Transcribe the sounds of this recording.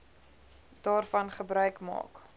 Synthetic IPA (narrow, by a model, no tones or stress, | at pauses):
d̥ɑːrfɐnχəbrœɥkmɑ̰ːk